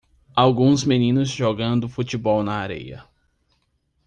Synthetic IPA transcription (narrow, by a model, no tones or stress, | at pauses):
awɡũzmenĩnʊzʒoɡɐ̃nd̪ʊfut͡ʃibɔwnɐaɾḛjɐ̰